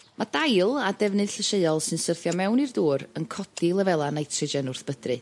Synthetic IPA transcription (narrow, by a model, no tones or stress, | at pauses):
mʔad̥ajlˠadɛvnɨð̥ɬəʃeɨɔlˠsɨnsərθjɔmɛwnirduːɾənkʰɔd̥ɪlˠəvɛlˠanajtʰrɪd͡ʒɛnʊrθb̥ədrɨ